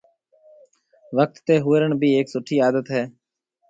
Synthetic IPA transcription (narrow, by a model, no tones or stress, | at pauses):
ʋək̚t̪ːeːɦʊːəɾəɳbʱiːeːksʊʈʰiːaːd̪ət̪ɦɛː